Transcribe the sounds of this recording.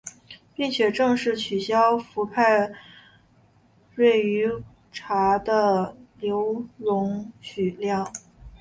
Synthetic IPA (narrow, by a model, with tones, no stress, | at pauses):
pi˥˩ŋt͡ɕʰɥɛ˨˩ʈ͡ʂɤ˥˧ŋʂɻ̩˥˩t͡ɕʰy˨˩ɕjɑ˥ʊfu˧˥pʰa˥˧ɪ | we˥˩ɪy˧˥ | ʈ͡ʂʰa˧˥d̪ə˧ljo˧˥ʊlʊ˧˥ŋt͡ɕʰy˨˩ljɑ˥˩ŋ